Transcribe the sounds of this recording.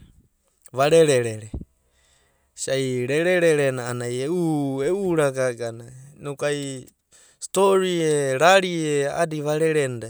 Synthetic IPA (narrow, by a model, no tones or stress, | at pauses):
βaɾeɾeɾeɾe | sajɾeɾeɾeɾenaːnajeueuɾakakananukaj | st̪oɾieɾaɾiea̰diβaɾeɾenda